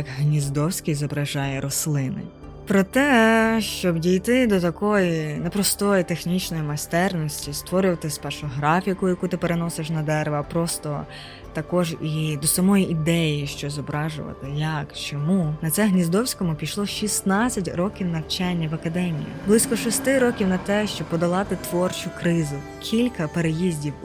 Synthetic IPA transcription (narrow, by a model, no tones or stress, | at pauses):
jɐkɦnʲizd̪ɔwsʲkijzɔbɾɐʒɑjɛɾɔslˠɪnɪ̰ | pɾɔt̪ɛʃt͡ʃɔbdʲijt̪ɪd̪ɔt̪ɐkɔjinɛpɾɔst̪ɔjit̪exnʲit͡ʃnɔjimɐst̪ɛrnɔsʲtʲist̪ʋɔɾɪwt̪ɪspɛrʃʊɦɾɑfʲikʊjɐkut̪ɪpeɾenɔseʃnɐd̪ɛɾʋɐpɾɔst̪ɔ | t̪ɐkɔʒid̪ɔsɐmɔjiʔid̪ɛjiʃt͡ʃɔzɔbɾɑʒʊ̰ʋɐ̰t̪ɪjɐkt͡ʃɔmunɐt̪sɛɦnʲizd̪ɔwsʲkɔmʊpʲiʃlˠɔʃʲisnɑt͡sʲːɐtʲɾɔkʲiwnɐwt͡ʃanʲːɐʋɐkɐd̪ɛmʲḭjḭblˠɪsʲkɔʃɔst̪ɪɾɔkʲiwnɐt̪ɛʃt͡ʃɔb̚pɔd̪ɐlˠɑt̪ɪt̪ʋɔrt͡ʃʊkɾɪzʊ | kʲʰilʲkɐpeɾejizʲdʲiw